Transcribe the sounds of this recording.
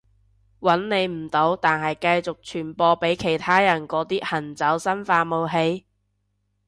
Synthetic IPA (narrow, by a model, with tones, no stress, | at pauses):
wɐ˨˥nne˨˧jm̩˨˩t̪o˨˥wt̪aː˨nɦɐ˨jkɐ˧jt͡sʊ˨k̚t͡ʃʰyː˨˩npɔː˧pe˨˥jkʰe˨˩jt̪ʰaː˥jɐ˨˩nkɔː˨˥t̪iː˥hɐ˨˩nt͡sɐ˨˥wsɐ˥nfaː˧mo˨˧wɦe˨˧j